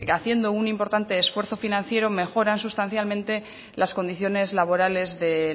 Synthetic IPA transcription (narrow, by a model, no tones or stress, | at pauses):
aθje̞nd̪o̞unimpo̞ɾt̪ant̪e̞ːsfwe̞ɾθo̞finãn̟θje̞ɾo̞me̞xo̞ɾansust̪anθjalmẽnt̪e̞ | lasko̞nd̪iθjo̞ne̞zlaβo̞ɾale̞zðe̞